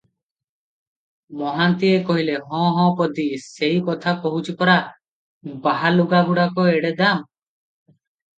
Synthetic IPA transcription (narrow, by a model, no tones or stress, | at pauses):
mɔɦant̪iekɔɦileɦɔ̃ɦɔ̃pɔd̪iseikɔt̪ʰakɔɦut͡ʃʰipɔɾa | baɦaluɡaɡuɽakɔeɽed̪am